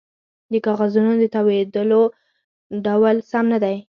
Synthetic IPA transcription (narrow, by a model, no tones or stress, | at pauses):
d̪əkɑɣazunod̪ət̪awed̪əlo | ɖawalsamnad̪aj